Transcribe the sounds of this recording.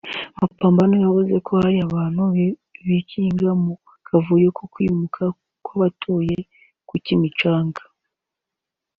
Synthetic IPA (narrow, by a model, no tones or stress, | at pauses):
mapaːmbanijavuze̞kʰo̞haɾiaβaːnuβiciːŋɡamo | kavuje̞kʰo̞kwiːmukʰa | kwaβatʰoːje̞ | kucimit͡ʃaːŋɡḁ